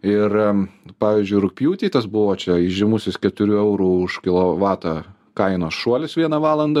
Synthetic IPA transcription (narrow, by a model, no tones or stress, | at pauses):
ɪrpɑːʋʲiːzʲd͡ʒʲʊɪɾʊk̚ʲpʲjuːt̪ʲiːt̪ɐsbʊʋoːt͡ʃʲɛɪʒʲɪmʊsʲɪskʲɛt̪ʊɾʲuɛʊɾuːʊʃkʲɪlˠoʋɑːt̪ɑ | kɐɪnoːsʃuɔlʲɪsʋʲiɛnɐʋɑːlˠɐnd̪ɐ